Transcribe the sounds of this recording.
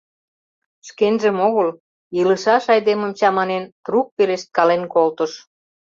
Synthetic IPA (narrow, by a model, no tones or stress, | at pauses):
ʃkenʒəmoɣəl | jiləʃɑʃɑjd̪eməmt͡ɕɑmɑnent̪ruk̚peleʃt̪̚kɑlenkolt̪ə̆ʃ